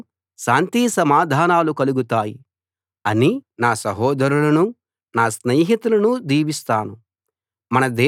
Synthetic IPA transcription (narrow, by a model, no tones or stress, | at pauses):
ʃaːnt̪isɐmaːd̪ʱaːnaːlukɐluɡut̪aːji | ɐninaːsɐɦɔːd̪ʱɐɾulɐnu | naːsneːɦit̪ulɐnud̪iːʋist̪aːnu | mɐnɐd̪eː